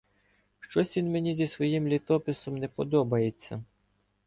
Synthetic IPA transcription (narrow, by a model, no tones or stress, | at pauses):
ʃt͡ʃɔsʲʋʲinmenʲizʲisʋɔjimlʲit̪ɔpɪsɔmnɛpɔd̪ɔbɐjet͡sʲːɐ̰